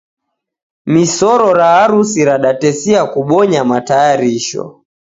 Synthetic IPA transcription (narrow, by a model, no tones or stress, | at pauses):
misɔɾɔɾaːɾusiɾaɗatɛsiakuɓɔɲamatajaɾiʃɔ̰